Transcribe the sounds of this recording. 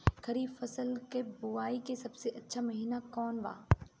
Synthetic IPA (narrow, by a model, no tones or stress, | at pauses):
kɐɾiːbfɐsəlkebʊaːikesɐbseʔɐtːʃʰamɐɦiːnakɔːnʋa̰ː